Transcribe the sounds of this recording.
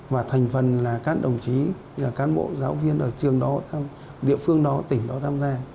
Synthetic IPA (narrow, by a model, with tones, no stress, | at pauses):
vaː˨˩t̪ʰɛ˨˩jŋ̟fə˨˩nlaː˨˩kaː˦˥k̚ɗə˨˩wŋ͡mt͡ɕi˨˦ | zaː˨˩kaː˨˦nɓo̰˧˨zaː˨˦wvi˧ənʔəː˧˩t͡ɕɨ˨˩əŋɗɔ˨˦t̪ʰaː˧m | ɗḭ˧˨əfɨ˧əŋɗɔ˨˦t̪ï˧˩ŋ̟ɗɔ˨˦t̪ʰaː˧mzaː˧